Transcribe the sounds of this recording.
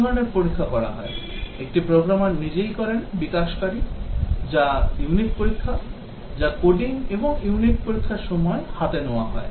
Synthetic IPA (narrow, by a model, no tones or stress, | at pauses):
ɔɾoneɾpoɾikʰːapɔɽa̰ɦɔeek̚ʈipɾoɡɾamaɾnid͡ʑejkɔɾenbikaʃkaɾid͡ʑajuniʈ̚poɾikʰːa | d͡ʑakoɖiŋeboŋjuniʈ̚poɾikʰːaɾʃɔmɔehat̪enooaɦɔe